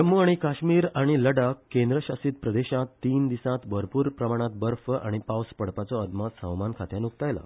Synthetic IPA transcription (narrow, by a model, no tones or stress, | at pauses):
əmːuaɽ̃ikaɕmiːɾaɽ̃iləɽakkẽnd̪ɾəɕasiːt̪pɾəd̪eɕãt̪ːiːnd̪isãt̪bəɾpuːɾpɾəmaɽ̃ãt̪̚bəɾfəʔaɽ̃ipawspəɽpat͡sɔəd̪masə̃wmankʰat̪jãnukt̪ajla̰